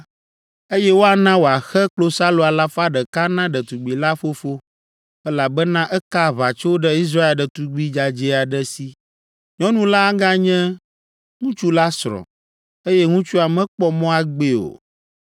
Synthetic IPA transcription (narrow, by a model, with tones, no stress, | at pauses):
e˦jɛ˦wo˦a˨nã˦wo˨a˨xɛ˦k͡plo˦sa˦lo˨a˨la˦fa˦ɖɛ˨ka˦nã˦ɖɛ˨t̪u˨ɡ͡bi˨la˦fo˦fo˦ | ɛ˦la˨bɛ˦nã˦ʔɛ˦ka˦βa˨t͡ʃo˦o˦ɖɛ˦i˦s̬ɾa˦e˨lɖɛ˨t̪u˨ɡ͡bi˦d͡ʒa˨d͡ʒɛ˦a˨ɖɛ˦si˦ | ɲɔ̃˦nũ˦la˦ɡã˦ɲɛ̃˦ | ŋũ˦t͡ʃu˦la˦sɾɔ̰̃˨ | e˦jɛ˦ŋũ˦t͡ʃu˦a˨mɛ̃˦k͡pɔ˦mɔ̃˦a˨ɡ͡be˦o̰˨